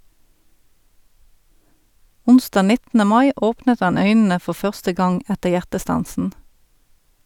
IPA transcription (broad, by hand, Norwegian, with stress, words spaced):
ˈʊnˌstɑː ˈnɪtn̩ə ˈmɑɪ ˈoːpnət ˈɑn ˈœʏnn̩ə ˈfɔʁ ˈfœʁstə ˈɡɑŋ ˈætəʁ ˈjæʁtəˌstɑnsn̩